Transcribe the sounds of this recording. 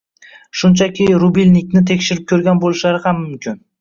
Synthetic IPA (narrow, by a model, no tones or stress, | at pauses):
ʃʊnt͡ʃʰakʲʰɪɾubilʲnɪk̚ʲnɪt̪ʰe̞kʲʃɪɾɪp̚kʲʰɵɾɡʲanbolˠɪʃlaɾɪhamːʊmkʲʰɪn